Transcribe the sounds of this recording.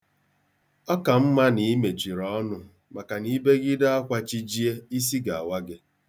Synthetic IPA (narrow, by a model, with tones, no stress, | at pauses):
ɔ˦ka˨m̩˦ma˦ni˨˦me˨t͡ʃi˨ɾɔ˦nʊ˨ | ma˨ka˨ni˦be˦ɡɪ˦da˦a˦kʷa˦t͡ʃi˦d͡ʒi˦e˦i˦s̬i˦ɡa˨a˨wa˦ɡɪ˦